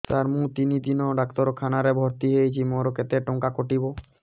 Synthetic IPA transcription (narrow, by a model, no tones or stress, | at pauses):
t̪aɾmũt̪inid̪inɔɖakt̪ɔɾɔkʰanaɾɛbʱɔɾt̪iɦejt͡ʃʰimɔɾɔket̪ɛʈɔŋkakoʈibɔ